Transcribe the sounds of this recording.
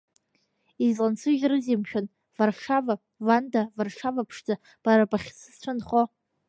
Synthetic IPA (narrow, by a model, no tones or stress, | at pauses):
izlant͡sʰɨʒʲrɨzimʃᶣon | varʂʂava | vandavarʂavapʰʂd͡za | b̥aɾabaχʲsɨst͡ɕʷʰɨnχo